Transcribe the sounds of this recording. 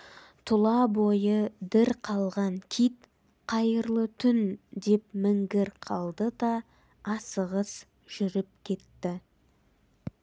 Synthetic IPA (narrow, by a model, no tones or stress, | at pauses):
t̪ʰʊlˠɑbojəd̪ɪɾqʰɑlˠʁɑŋkʲʰit̪ | qʰɑjəɾlˠət̪ʰʏnd̪e̞pmɪŋɡʲɪɾqʰɑlˠd̪əd̪ɑː | səʁəs | ʒ̥ʏɾɪp̚kʲʰe̞t̪ːɪ